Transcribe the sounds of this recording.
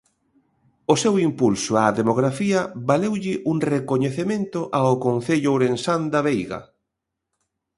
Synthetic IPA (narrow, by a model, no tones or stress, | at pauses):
ʊsewimpulsʊaðemoɣɾafiɐβalewʎɪʔuŋrekoɲeθemẽnt̪ʊʔaʊkonθeʎʊwɾensand̪aβejɣɐ̰